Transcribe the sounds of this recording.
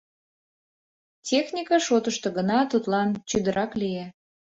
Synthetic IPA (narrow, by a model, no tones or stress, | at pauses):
tʲexnʲikɑʃot̪əʃt̪oɡənɑt̪ut̪lɑnt͡ɕyd̪əɾʔɑklije